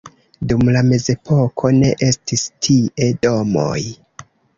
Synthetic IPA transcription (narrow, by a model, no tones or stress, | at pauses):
dumlame̞ze̞pʰo̞kʰo̞ne̞ʔe̞stistʰie̞do̞mo̰j